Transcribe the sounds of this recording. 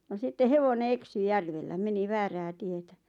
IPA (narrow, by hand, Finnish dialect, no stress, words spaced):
no sitːe heʋone eksy jærʋelːæ meni ʋæːræː tietæ